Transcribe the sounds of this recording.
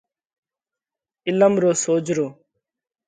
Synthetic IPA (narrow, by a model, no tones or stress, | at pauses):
ɪləmɾoːsoːd͡ʒɾoː